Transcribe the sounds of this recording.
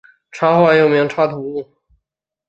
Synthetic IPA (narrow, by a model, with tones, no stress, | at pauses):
ʈ͡ʂʰwa˥xwa˥˧jo˥˩ʊmi˧˥ŋʈ͡ʂʰwa˥t̪ʰu˧˥u˥˩